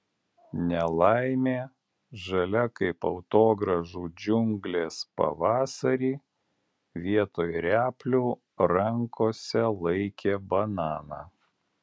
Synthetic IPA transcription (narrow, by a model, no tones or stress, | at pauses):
nʲɛlˠɑɪmʲeː | ʒɐlʲɛkɐɪpɐʊt̪oːɡɾɐʒuːd͡ʒʲʊŋʲɡlʲeːspɐ̰ʋɑːsɐɾʲiː | ʋʲiɛt̪oːjɾʲæːpʲlʲuː | ɾɐŋkoːsʲɛlˠɐɪkʲeːbɐnɑːnɑ̰ː